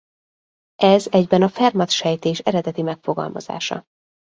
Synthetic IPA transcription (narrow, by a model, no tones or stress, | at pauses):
ʔɛzɛɟbɛnɒfɛrmɒt̪ʃɛjt̪eːʃɛɾɛd̪ɛt̪imɛkfo̞ɡɒ̰lmɒ̰z̥a̰ːʃɒ̰